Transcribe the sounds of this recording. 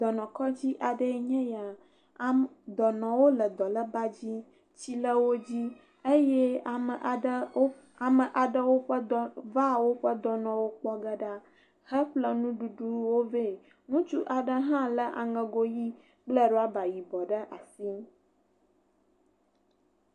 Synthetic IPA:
d̪ɔ˨nɔ̃˨kɔ˦d͡ʑi˦ʔa˨ɖə˦ɲɛ̃˦ja˨˦ | d̪ɔ˨nɔ̃˨wo˦lə˨d̪ɔ˨lə˦ba˦d͡ʑi˦ | t͡ɕi˦lə˦wo˦d͡ʑi˦ | e˦jɛ˦˨ə˨ʔ | a˨mə˨ʔa˨ɖə˦wo˦ɸə˦va˦wo˦ɸə˦d̪ɔ˨nɔ̃˨wo˦k͡pɔ˦ɡə˦ɖa˦ | hə˦ɸlə˦nũ˦ɖu˨ɖu˦wo˦ve˦˨ | nũ˦t͡ʃu˦ʔa˨ɖə˦ɦã˦lə˦ʔa̰˨ŋə̃˨ɡo˦ji˦ | k͡plə˦ɖɔ˦a˦ba˨ji˨bɔ˨ɖə˦ʔa˨si˦

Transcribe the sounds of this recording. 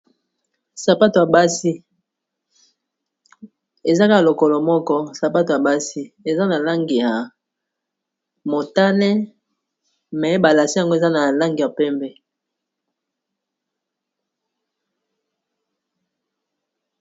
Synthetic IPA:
sa˨pa˦to˨ja˨ba˦si˦ | e˨za˦ka˦˨lo˨kɔ˨lɔ˨mɔ˦kɔ˦sa˨pa˦to˨a˨ba˦si˦e˨za˦na˨la˦ŋɡi˨ja˨ | mo˨ta˦nɛ˦ | mɛ˨˦ba˨la˨si˦ja˨ŋɡo˦e˨za˦na˨la˦ŋɡi˨ja˨pɛ˦mbɛ˦

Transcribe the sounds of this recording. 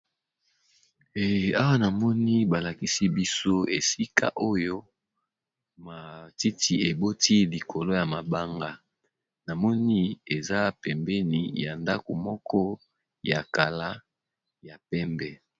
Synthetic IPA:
e˨a˦wa˦na˨mɔ˦ni˦ba˨la˨ki˨si˦bi˦so˦e˨si˦ka̰˦ʔo˦jo˦ | ma˨ti˦ti˨e˨bo˦ti˦li˨kʰo˨lo˦ja˨ma˨ba˦ŋɡa˦ | na˨mɔ˦ni˦e˨za˦pɛ˨mbɛ˦ni˨ja˨nda˦ko˨mɔ˦kɔ˦ | ja˨ka˨la˦ | ja˨pɛ˦mbɛ˦

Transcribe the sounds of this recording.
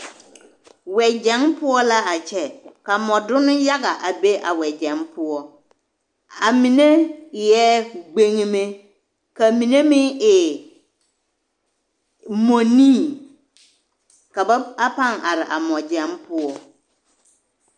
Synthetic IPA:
wɛ˨d͡ʒɛ˨˦ŋpʊ˦ɔ˦la˦a˨t͡ʃɛ˨ka˨mɔ˨dʊ˦nʊ˦ja˦ɣa˨ʔa˨be˦ʔa̰˨wɛ˨d͡ʒɛ˨mpʊ˦ɔ˦ | a˨mi˨ne˦˨jɛ˦ɡ͡be˦ŋ˦me˦ | ka˨mĩ˨ne˦mɪ˦ɪ˨ | mɔ˨nĩː˦˨ | ka˨ba˦a˦pa˦˨ŋa˨ɾɪ˨ʔa˨mɔ˨d͡ʒɛ˨˦mpʊ˦ɔ˨

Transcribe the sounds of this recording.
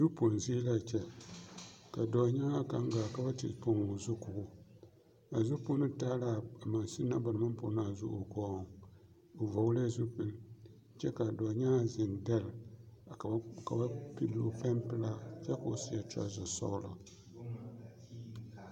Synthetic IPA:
zu˦po˨n˨zi˦la˦˨t͡ʃɛ˦ | ka˨dɔ˨ɲa˦a˦ka˦ŋ˦ɡaː˨ka˨ba˦tḭ˨po˦ŋo˨zʊ˦kʊ˨ʔʊ˦ | a˨zʊ˦po˦nɨ˦taː˦la˨a˨ma˨nsi˦nːa˦ba˨nɨ˨ma˦npo̰˨n˦a˨zʊ̰˦o˨kɔː˦˨ŋ | o˨va˨wla˦zu˦pi˨n | t͡ʃɛ˦ka˨dɔː˨ɲa˦˨zɪ˨ŋda˦˨l | ka˨ba˦pi˦lːo˦pa˦mpɨ˦la˦t͡ʃɛ˦ka˨si˦a˨ta̰˦zʊ˨sa̰˦ʊ˦la̰˨

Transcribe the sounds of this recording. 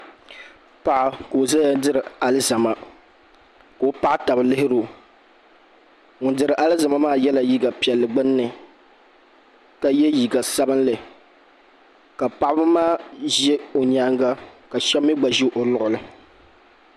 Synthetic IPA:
pa˨ʔa˨ko˨o˨za˦ja˦dɨ˦ɾɨ˨a˦lɨ˦za˨ma˦ | ko˦pa˦ʔa˦ta˨bɨ˨lɪ˦hɪ˦ɾo˨ | ŋʊ˨ndɨ˨ɾɨ˨ʔa˦lɨ˦za˨ma˦maː˦jɛ˦la˨ji˦ɡa˨pi˨ɛ˨lːɨ˨ɡ͡bɨ˦nː˦ɨ˨ | ka˨jɛ˦ji˨ɡa˨sa˦bɨ˦n˦lɨ˨ | ka˨pa˨ʔa˦bɨ˦maː˦˨ʒɛ˦o˨ɲa˨˦ŋɡa˦ka˨ʃɛ˦mːi˦ɡ͡ba˨ʒi˦ʔo˨lʊ˨ʔʊ˨lɨ˨

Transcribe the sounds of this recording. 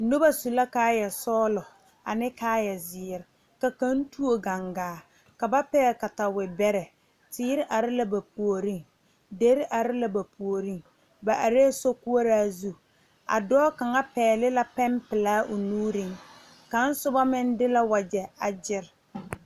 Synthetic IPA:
nʊ˦ba˦su˨la˦kaː˦jɛ˨sɔː˦lʊ˨ | a̰˨nɪ˦kaː˦jɛ˨zɪ˨ɾɪ˨ | ka˨ka˦n˦tu˦o˨ɡa˨ŋɡaː˨˦˨ | ka˨ba˦pɛː˦ka˨ta˨wɪ˨bɛ˦ɾɛ˨ | tɪː˦ɾɪ˦ʔa˨ɾɪ˦la˦ba˨pu˨o˨ɾi˦ŋ | de˦ɾɪ˦ʔa˨ɾɪ˦la˦ba˨pʰu˨o˨ɾi˦ŋ | ba˨ʔa˨ɾeː˦so˦ku˦o˦ɾaː˦zu˦ | a̰˨dɔː˦ka˨ŋa˦pɛː˨lɪ˦la˦pɛ˦mpɪ˨laː˦ʔʊ˨nuː˦ɾi˦ŋ | ka˨˦n̩˦sʊ˦ba˦mɪ˦ndɪ˦la˦wa˨d͡ʒɛ˨a˨d͡ʒɪ˦ɾ

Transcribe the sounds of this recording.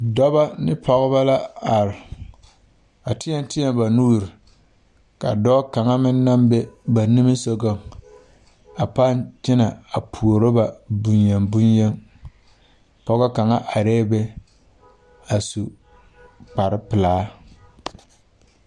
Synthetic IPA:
dɔ˦ba˦nɪ˦pʰɔ˦ɣʊ˦ba˦la˦a˨ɾɪ˨ | a˨tɪ˦jɛ˦n˦tɪ˦jɛ˦mba˨nuː˦˨ɾɪ˨ | ka̰˨dɔː˦ka˨ŋa˦mɪ˦nː˦a˦mbɛ˦ba˨ni˦mi˦so˦ɡo˦ | a˨pa˦nt͡ʃɪ˦na˨a˨pʰu˨o˨ɾo˦ba˨bu˨ɲje˨mbu˦ɲjɛ˦n | pɔ˦ɡa˦ka˨ŋa˦ʔa˨ɾɛː˦bɛ˦ | a˨su˨ | k͡pa˨ɾɪ˦pɨ˨laː˨˦

